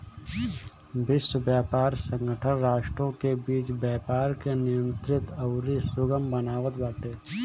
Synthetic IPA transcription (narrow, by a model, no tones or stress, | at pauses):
bɪsəbjaːpaːɾsə̃ŋɡəʈʰənɾaːʃʈɾõkebiːt͡ʃbjaːpaːɾkenɪjə̃nt̪ɾɪt̪ɐʊɾisʊɡəmbənaːʋət̪baːʈ̪eː